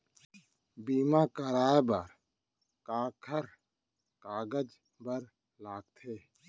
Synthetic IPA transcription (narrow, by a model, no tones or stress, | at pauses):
biːmakəɾaːbaɾ | kaːkʰəɾ | kaːɡəd͡ʒ | bəɾ | laːɡ̚t̪ʰeː